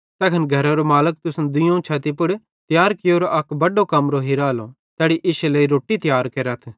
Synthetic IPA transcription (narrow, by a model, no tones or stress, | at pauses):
t̪ɛːkʰənɡʱɐɾaɾomaːlək̚t̪ʊsnd̪ʊjõt͡ʃʰaːt̪ipʊɽ | t̪jaːɾkɪjoːɾʔɐkbɐɖokɐmɾoɦiɾaːlo | t̪ɛːɽiʔɪʃleːiɾoːʈit̪jaːɾkeɾɐt̪ʰ